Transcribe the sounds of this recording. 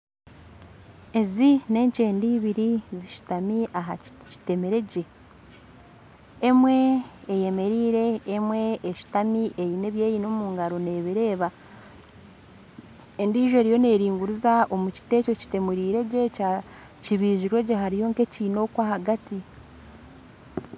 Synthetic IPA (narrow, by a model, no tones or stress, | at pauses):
e̞zine̞ːɲce̞ːndiːβiɾiziʃi̥tamiʔaɦaci̥te̞meɾe̞ɟe̞ | mwe̞ːje̞me̞ɾiːɾe̞ːmwe̞ːʃi̥tamiʔeɾine̞βje̞ːjino̞muːŋɡaɾo̞ne̞ːβiɾe̞ːβa | endiːʒe̞ɾijo̞ne̞ːɾiːŋɡuɾuzao̞muci̥te̞ːco̞ci̥te̞muɾiːɾe̞ɟe̞ca | ciβiːʒiɾwe̞ɟeɦaɾijo̞ŋke̞ciːno̞ːkwaːhaɡati